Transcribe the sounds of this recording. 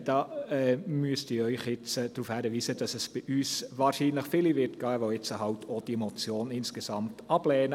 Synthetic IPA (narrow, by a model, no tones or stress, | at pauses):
d̥ɑːɛmyəstɪːɾœʏχjɪt͡səd̥ɾuːfhæɾəʋiːsəd̥ɑsɛsb̥iʔyːsʋɑːɾʃiːnləχfɪlivɪɾtɡ̥aːʋoɪt͡səɦɑltʰod̥iɛmɔt͡sjoːnɪnsɡ̥esɑmtɑb̥lɛːnə